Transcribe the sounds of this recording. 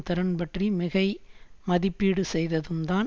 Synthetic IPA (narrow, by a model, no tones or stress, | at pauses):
t̪ɐɾɐnpɐʈrimɪɣɐɪmɐðɪpːiːɽɯsɛjðɐðɯmd̪aːn